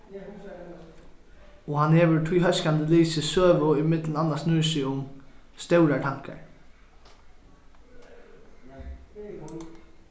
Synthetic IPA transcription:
ɔɦanhɛːʋəɹt̪ʰʊjɦœskand̪əliːsɪsøːʋʊimɪt̪lənanːasnʉːsɪʊmst̪œwɾat̪ʰaŋ̥ka̰ɹ

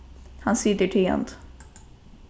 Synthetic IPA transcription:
hɑnsiːd̪əʈʰɪɑ̰nd̪

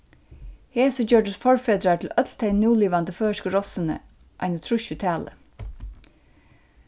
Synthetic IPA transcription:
heːsɔd͡ʒøːɖəsfɔɹfeːd̪ɾaʈ̪ʰɪl̩œt̪lt̪ʰɛɪnjuːliːʋand̪əføːʃkəɾɔsənə̰ | ʔæɪnət̪ʰɾʉʃʉt̪ʰæːlə̰

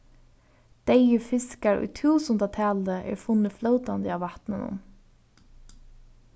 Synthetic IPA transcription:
d̪̥ejəfɪskaɹʊ̰jt̪ʰuːsɔnt̪at̪ʰæːld̪əʔḛːɹfʊnəfləʊt̪and̪əɑːʋɑt̪nənʊ̰m

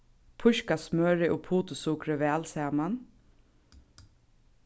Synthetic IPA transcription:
pʰʊʃkasmœːɹɪʔʊpʰuːt̪ʊsʊkɾɪʋɛːlsɛːman

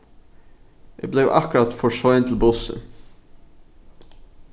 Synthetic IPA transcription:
ʔḛːɡ̚bleʋʔɑ̰kɾɑt̪fɔʃɔʏənt̪ʰl̩bʊsə̰

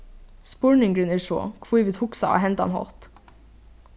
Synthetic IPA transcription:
spɔɹɳɪŋɡɾʏnɪːʂo̰ːkʰʋuːʋɪt̪hʊksɑɑ̰ːɦɛnt̪ɑ̰nhɔ̰lt̪

